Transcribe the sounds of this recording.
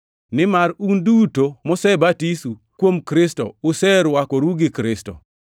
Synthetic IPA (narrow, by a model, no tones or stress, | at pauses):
nɪmaɾundutomɔsɛbatisukwomkɾɪsto̰ʊsɛɾwakoɾuɡɪkɾɪstɔ̰